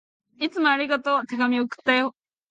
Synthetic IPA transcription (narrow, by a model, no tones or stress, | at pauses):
it͡sɨmo̞aɾʲiɡat̪o̞t̪e̞ɡamʲiokɯ̟̥t̪ːaoo